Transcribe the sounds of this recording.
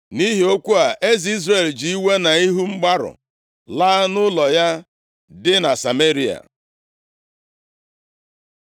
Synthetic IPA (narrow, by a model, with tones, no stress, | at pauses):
ni˦ɦi˨o˦kʷu˦a˨ʔe˦zi˦zɾe˨ld͡ʒi˨i˦we˦na˨i˦ɦu˦ŋ͡m̩˦ɡ͡ba˦ɾʊ̰˨ | la˦nʊ˦lɔ˨ja˦ | dɪ˦na˨sa˨me˦ɾi˨a̰˨